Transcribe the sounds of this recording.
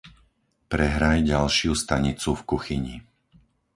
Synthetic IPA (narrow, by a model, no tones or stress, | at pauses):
pɾɛɦɾajɟalʃɪust̪aɲit͡sufkuxiɲḭ